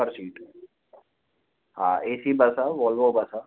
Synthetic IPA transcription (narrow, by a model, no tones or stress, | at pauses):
əɾsiːʈ | ɦã̰ːeːsibɐsaʋɔːlʋobɐsa